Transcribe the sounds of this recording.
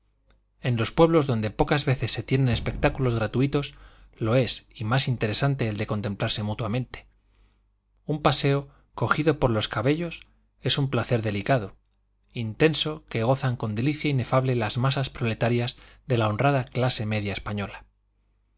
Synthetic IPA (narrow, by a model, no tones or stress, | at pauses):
ẽ̞nlo̞spwe̞βlo̞zðo̞nd̪e̞po̞kazβe̞θe̞sːe̞t̪je̞nẽ̞nespe̞k̚t̪akulo̞zɣɾat̪uit̪o̞slo̞e̞simasint̪e̞ɾe̞sant̪e̞ːld̪e̞ko̞nt̪ẽ̞mplaɾse̞mut̪wamẽ̞nt̪e̥ | umpase̞o̞ | ko̞xiðo̞po̞ɾlo̞skaβe̞ʎo̞s | e̞sumplaθe̞ɾðe̞likaðo̞ | int̪e̞nso̞ke̞ɣ̞o̞θaŋko̞nd̪e̞liθjaine̞faβle̞lazmasaspɾo̞le̞t̪aɾjazðe̞lao̞nraðaklase̞me̞ðjaespaɲo̞la